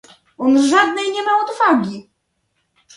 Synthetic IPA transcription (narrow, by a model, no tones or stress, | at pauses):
ɔnʐad̪nɛjɲɛmaɔd̪vaɡʲi